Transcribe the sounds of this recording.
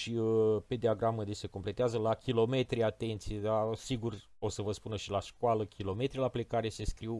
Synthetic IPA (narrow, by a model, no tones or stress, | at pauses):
ʃipe̞d̪eaɡɾaməd̪ese̞ko̞mple̞t̪eazəlakʲilo̞me̞t̪ɾiat̪e̞nt̪sijed̪asiɡur | o̞səvəspunəʃilaʃkaləkʲʰilo̞me̞t̪ɾilaplekaɾe̞se̞skɾiw